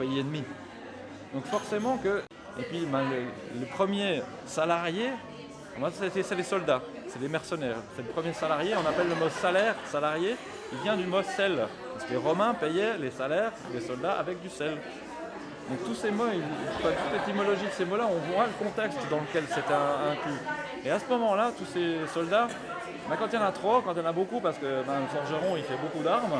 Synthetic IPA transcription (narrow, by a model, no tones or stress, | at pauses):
pejienmi | d̪ɔ̃kfɔʁsemɑ̃kə | epɥibɛ̃lələpχəmje | salaʁjẽ | masɛsɛsɛlesɔld̪asɛlemɛʁsənɛːʁsɛlepχəmjesalaʁjeɔ̃napɛlːəmɔsalɛːʁsalaʁje | ilvjɛ̃d̪ymɔsɛl | paʁskəleʁɔmɛ̃pɛjɛlesalɛʁlesɔld̪aʔa̰vɛk̚d̪ysɛl | d̪ɔ̃k̚t̪usemoilfɛ̃t̪ut̪let̪imɔlɔʒid̪əsemolaɔ̃vwaləkɔ̃t̪ɛkst̪d̪ɑ̃ləkʲɛlset̪ɛɛ̃kly | easəmɔmɑ̃lat̪usesɔld̪a | bɛ̃kɑ̃t̪jɑ̃nat̪χokɑ̃t̪jɑ̃nabokupaʁsə̥kəbɛ̃ləfɔ̃ʁʒəʁɔ̃ifɛbokud̪aʁm